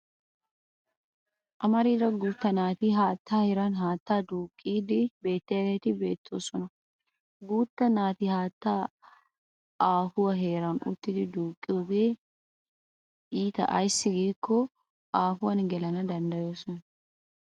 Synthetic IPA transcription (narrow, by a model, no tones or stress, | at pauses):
ʔɐmɐɾiːd̪ɐɡuːt̪ːɐnaːt̪iɦaːt̪ːaːhɛɾɐnɦaːt̪ːaːd̪uːkʼːiːd̪ɪbe̞ːt̪ːɐjɐd̪eːt̪ɪbe̞ːt̪ʰːo̞ːsɔnɐ | ɡuːt̪ːɐnaːt̪ihaːt̪ːaː | ʔaːhʊwɐɦeːɾɐnʊ̰t̪ːɪd̪ɪd̪uːkʼːɪɔɡeː | ʔiːt̪ɐ̰ʔɐjsːɪɡiːkːɔ | aːhʊwɐnɡɛlɐnɐd̪ɐnd̪ɐjo̞ːsɔnɐ